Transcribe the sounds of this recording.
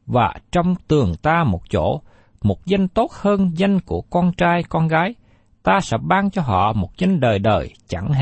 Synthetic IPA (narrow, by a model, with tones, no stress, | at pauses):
vaː˨˩t͡ɕɔ˧wŋ͡mt̪ɨ˨˩əŋt̪aː˧mo˨˩t̚t͡ɕo̰˧˥ | mo˨˩t̚za˧jŋ̟t̪o˦˥t̚həː˧nza˧jŋ̟ku˧˩əkɔ˧nt͡ɕaː˧jkɔ˧nɣaː˨˦j | t̪aː˧sɛ̰˧˥ɓaː˧ŋt͡ɕɔ˧ɦɔ̰˧˨mo˨˩t̚za˧jŋɗəː˨˩jɗəː˨˩jt͡ɕa˧˩ŋɦ